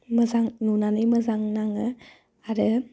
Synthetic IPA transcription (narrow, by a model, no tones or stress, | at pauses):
məzaŋnunanɯjməzaŋnaŋɯ | aɾɯ